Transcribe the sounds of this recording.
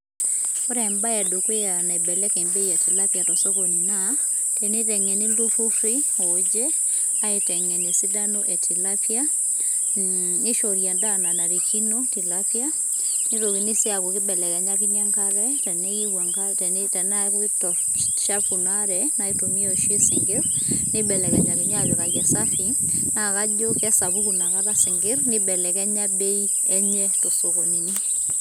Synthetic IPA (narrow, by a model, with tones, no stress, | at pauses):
o˦ɾɛ˨mba˦ja˨do˨ke˦a˨na˨e˨bɛ˨lɛ˦kɛ˨mbe˦ja˨ti˨la˦pja˨tɔ˨sɔ˦ko˨ni˨na | tɛ˨ne˦tɛ˨ŋɛ˨nɪ˦lu˦fu˦fi˦o˨d͡ʒɛ˦ | a˦e˨tɛ˨ŋɛ˨nɪ˨si˦da˦no˦ʔɛ˨tʰi˨la˦pja˦ | nɪ˦ʃɔ˨ɾja˨nda˦na˨na˨ɾi˨kʰi˦no˦ti˨lapja˦ | ni˦to˨ki˨nɪ˦sɪ˦a˨ko˨kɪ˦bɛ˨lɛ˨kɛ˨ɲa˦kɪ˦ɲa˦ŋka˦ɾɛ˦tɛ˨nɛ˦i˦wa˨ŋka˦tɛ˨ne˦tɛ˨na˦ktɔ˨ɾ | ʃa˦fu˨na˦ɾɛna˨i˦to˨mi˦o˦˨ʃje˦sɪ˨ŋɡɪ˦ɾnɪ˦bɛ˨lɛ˨kɛ˨ɲa˨kɪ˦ɲ˦a˦˨d͡ʒɔ˨ka˨ɡa˨sa˦fi˦na˨ka˦d͡ʒo˦ka˦sa˨βu˦ku˨na˨ka˦ɾa˦sɪ˨ŋɡɪ˦ɾnɪ˦bɛ˨lɛ˨kɛ˦ɲa˦be˦i˦ | ɛ˦ɲɛ˦to˨so˨ko˨ɲi˨ni˦